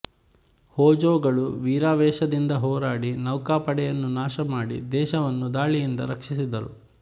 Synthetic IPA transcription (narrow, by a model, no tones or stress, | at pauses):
hɔːd͡ʒoːɡɐɭuʋiːɾaːʋɛːʃɐd̪ind̪ɐɦɔːɾaːɽinɐwkaːpɐɽɛjɐnːunaːʃɐmaːɽḭd̪ɛːʃɐʋɐnːud̪aːɭijind̪ɐ̰ɾɐkʂisid̪ɐɾṵ